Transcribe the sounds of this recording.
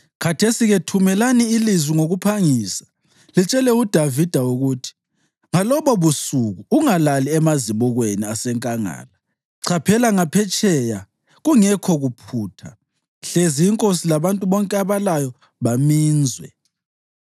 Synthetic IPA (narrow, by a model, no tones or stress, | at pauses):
kʰatʰesiɣetʰumɛlaniːlizwiŋoɣupʰaŋiːsḁ | lit͡ʃʼɛlɛud̥ʱavid̥ʱauɣutʰi̥ | ŋalɔβɔβusuɣuːŋalaliɛmaziβɔɣweniasɛŋkʼaŋa̰ːla | ǀʰapʰɛlaŋapʰɛt͡ʃʼɛja | ɣuŋɛkʰɔɣupʰuːtʰa | ɬeziːŋkʼosilaβantʼuβɔŋkʼɛaβalajɔ | βamiːnd͡zʱwɛ̰